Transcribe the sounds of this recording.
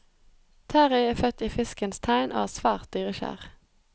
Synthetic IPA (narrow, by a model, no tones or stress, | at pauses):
t̪ʰæːʁɪeːfœt̪iːfɪskənst̪ʰæɪnʔo̰ːhæːʁsʋæːʁt̪̚d̪yːʁəʃæ̰ːʁ